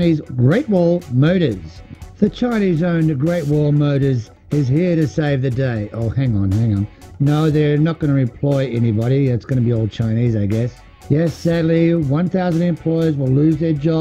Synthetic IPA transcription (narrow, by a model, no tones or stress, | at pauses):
nizɡɹeɪt̚wɔlˠmoʊɾə˞z̥ðɨt͡ʃʰãɪ̃ñizõʊ̃ntɨɡɹeɪt̚wɔlˠmoʊɾə˞z | ɪzhiɹɾɨseɪvðɨdeɪʔoʊhæ̃ŋə̃nhæ̃ŋə̃nnoʊðə˞nət̚ɡ̥ʌnɨɨ̃mpʰl̥ɔɪʔɛnibɑɾiðætsɡ̥ʌñɨbiɔʊl̚ˠt͡ʃʰãɪ̃nizaɪɡɛs | jɛsædˡliwʌ̃nθaʊzɨ̃ndɨ̃mpʰl̥ɔɪə˞zwəlˠʉzðə˞d͡ʒɑ